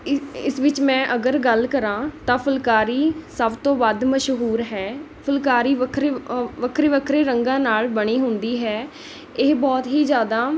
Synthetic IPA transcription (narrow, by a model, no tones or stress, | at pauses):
ɪsʋɪt͡ʃmɛ̃ːʔəɡəɾɡəlkəɾãːt̪ãːpʰəlkaːɾiːsəbt̪õːʋad̪məʃɦuːɾɦɛː | pʰəlkaːɾiːʋəkʰɾeʋəkʰɾeːʋəkʰɾeːɾəŋɡãːnaːlbəɽ̃iːɦʊ̃nd̪iːɦɛː | ɪɦbɔːt̪ɦiːzjaːd̪aː